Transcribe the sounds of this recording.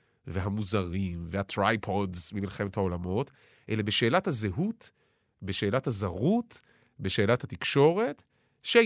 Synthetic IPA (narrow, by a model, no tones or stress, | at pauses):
veɦamuzaʁimvehatʁajpʰodzmimilχe̞methao̞lamo̞t | ʔḛlebeʃe̞ːlathazeɦut | beʃe̞ːlathazaʁut | be̞ʃe̞ːlathatikʃo̞ʁe̞t | ʃe